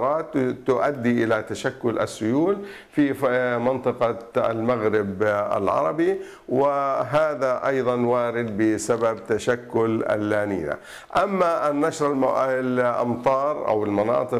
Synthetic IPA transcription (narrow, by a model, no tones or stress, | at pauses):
ɾˤɑːt̪t̪ːʊʔad̪ːiʔɪlat̪aʃakːʊlʔa̰sːʊjuːl | fimɪnt̪ˤɨqɑa̰lmaɣɾɪba̰lʕɑ̰ɾˤɑbi | wɪɦaːðaʔɑjðˤɑnwaːɾɪd̪̚bɪsababt̪aʃakːʊlʔa̰lːaːniːna̰ | ʔamːaʔanːaʃɾallʔɑ̰mt̪ˤɑːɾˤʔa̰wɪlmɑnɑ̰ːt̪ˤɨ